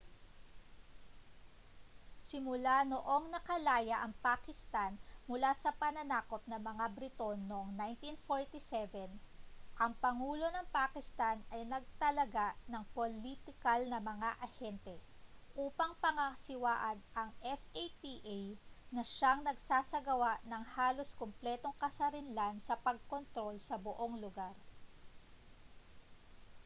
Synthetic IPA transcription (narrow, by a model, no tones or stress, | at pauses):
sɪmʊlanoʔo̞ŋnɐkɐlaːjɐʔɐŋpakɪst̪anmʊlasɐpɐnɐnaːko̞p̚nɐmɐŋabɾɪt̪o̞nːoʔŋnajnt̪infoɹt̪isɛvɛn | ʔɐŋpɐŋuːlo̞nɐŋpakɪst̪anɐjnɐɡ̚t̪ɐlɐɡanɐŋpolit̪ɪkɐlnɐmɐŋaʔɐhɛnt̪ɛʔuːpɐŋpɐŋɐsɪwaːʔɐnʔɐŋʔɛfejpiʔjnɐʃaŋnɐɡsaːsɐɡɐwaʔnɐŋhaːlo̞skomplɛːt̪o̞ŋkɐsɐɾɪnlansɐpɐɡ̚kont̪ɾo̞lsɐboʔo̞ŋlʊɡaɾ